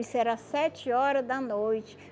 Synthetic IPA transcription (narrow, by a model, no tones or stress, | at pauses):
isɛɾasɛt͡ʃɪɔɾɐd̪ɐnojt͡ʃɪ̥